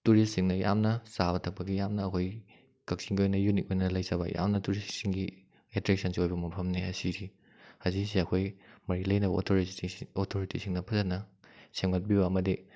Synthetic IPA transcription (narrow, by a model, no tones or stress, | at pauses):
tuɾist̚siŋnɐja̰mnɐsaβɐtʰɐk̚pɐɡijamnɐːkʰoj | kɐk̚siŋɡiojnɐjunik̚ojnɐlɐjzɐbɐ̰jʔa̰mnɐtuɾistsiŋɡi | etɾek̚sɐnsiojbɐmɐpʰɐmneɐsiɾi | hɐzisiɐkʰojmɐɾilɐjnɐbɐo̰tʰoɾiotʰoɾitisiŋnɐpʰɐzɐnɐsemŋɐt̚bibɐɐmɐdi